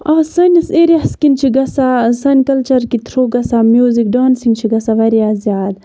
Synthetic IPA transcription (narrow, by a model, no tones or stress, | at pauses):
aːsɐnʲɐseɾiaskint͡ʃʰiɡɐsasɐnʲkɐlt͡ʃɐɾkit̪ʰɾoːɡɐsamjuːzik̚ɖaːnsiŋɡt͡ʃʰiɡɐsaʋɐɾijaːzjaːd̪